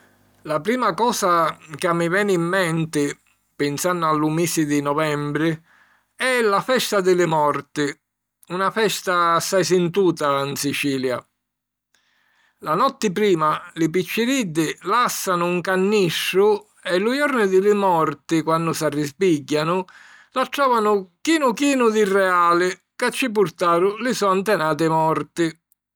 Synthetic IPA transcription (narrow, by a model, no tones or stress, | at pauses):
lapɾiːmakɔːsakamːɪvɛːnimːɛnt̪ɪ | pɪnsanːʊalːʊmiːsɪd̪ɪnɔvɛmbɾɪ | ɛlafɛst̪ad̪ɪlɪmɔɾt̪ɪ | unafɛst̪aːsːajsɪnt̪uːt̪ansit͡ʃiːlja̰ | lanɔt̪ːɪpɾiːmalɪpit͡ʃːɪɾid̪ːɪlasːanʊːŋkanːiʃːʊ | ɛlʊjɔɾnɪd̪ɪlɪmɔɾt̪ɪkwanːʊsarːɪspiɟːanʊ | laʈɾɔːvanʊkiːnʊkiːnʊd̪ɪrːɛaːlɪ | kat͡ʃːɪp̬ʊɾt̪aːɾʊlɪsɔant̪ɛnaːt̪̬ɪmɔɾt̪ɪ